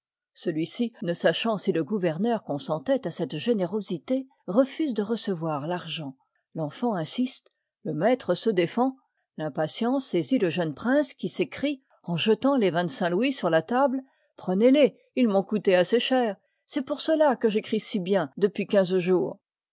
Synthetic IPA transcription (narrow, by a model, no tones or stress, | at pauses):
səlɥisinəsaʃɑ̃siləɡuvɛʁnœʁkɔ̃sɑ̃t̪ɛt̪asɛt̪ʒeneʁozit̪e | ʁəfyzd̪əʁəsəvwaʁlaʁʒɑ̃ | lɑ̃fɑ̃ɛ̃sist̪ | ləmɛt̪χəsəd̪efɑ̃ | lɛ̃pasjɑ̃seziləʒənpχɛ̃skʲisekχi | ɑ̃ʒət̪ɑ̃levɛ̃t̪sɛ̃lwisyʁlat̪abl | pχənele | ilmɔ̃kut̪easeʃɛːʁ | sɛpuʁsəlakəʒekχisibjɛ̃d̪əpɥikʲɛ̃zʒuːʁ